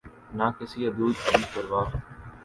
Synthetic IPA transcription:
naːkɪsiːəd̪uːd̪əbʱiːkəɾʋaːɦ

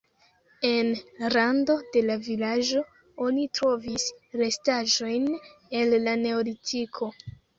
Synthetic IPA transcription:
e̞nɾando̞de̞lavilad͡ʒo̞ | onitɾo̞visɾe̞staʒo̞jne̞lːane̞olitʰikʰo̞

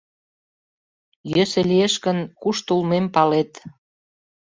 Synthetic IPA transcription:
jøsĕlieʃkə̆nkuʃt̪ulmempɑlet̪

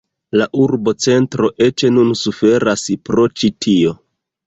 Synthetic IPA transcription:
laʔuɾbo̞t͡se̞ntɾo̞ʔe̞t͡ʃenunsufe̞ɾaspɾo̞t͡ʃitʰio̞

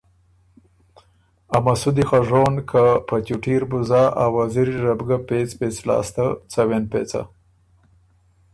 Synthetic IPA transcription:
amasud̪ixaʐonkʰapat͡ʃuʈiɾbuzaʔawaziɾiɾabɡapet͡spet͡slɑ̰ːst̪at͡sawenpḛːt͡sa̰

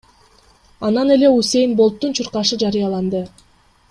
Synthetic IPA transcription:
ɑnɑne̞le̞use̞jnbo̞lˠt̪ːunt͡ʃʰuɾqɑʃɯd͡ʒɑɾɯjɑlˠɑnd̪ɯ

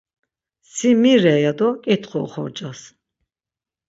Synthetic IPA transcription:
simiɾɛjad̪ɔkʼit̪ʰχɔχɔ̰ɾd͡ʒʼas

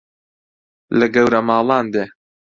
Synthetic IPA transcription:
lɨɡɐwɾɐmɑːlˠɑːnd̪eː

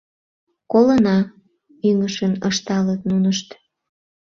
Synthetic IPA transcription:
kolənɑ | yŋəʃənəʃt̪ɑlət̪nunəʃt̪

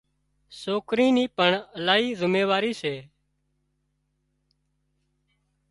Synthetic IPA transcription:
soːkɾiːniːpəɳəlaːiːzʱʊmeːʋaːɾiːseː

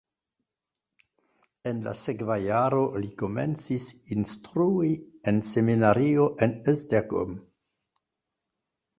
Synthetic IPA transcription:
enla̰sekvajaɾo̞liko̞mḛnt͡sisinstɾuienseminaɾio̞ʔenesdeko̰m

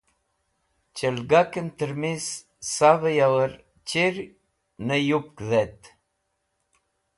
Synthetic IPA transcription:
t͡ʃəlɡakənt̪əɾmis | savəjawəɾ | t͡ɕiɾ | nəjup̚kðɛt̪

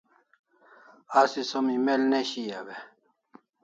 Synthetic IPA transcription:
asisomimelneɕijawe

